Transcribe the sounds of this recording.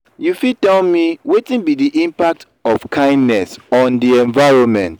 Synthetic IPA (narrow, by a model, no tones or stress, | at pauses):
jufitɛlmiwetĩnbidiʔĩmpak̚t | ɔfkʰãɪ̃ndnɛsɔ̃ndiɛ̃ɱvaɪɹɔ̃nmɛ̃nt